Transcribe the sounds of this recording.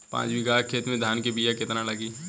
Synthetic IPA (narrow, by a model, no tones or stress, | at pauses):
pã̰ːt͡ʃbiɡaːɾkʰeːt̪mẽd̪ʱaːnkebiːjakɪt̪nalɐɡiː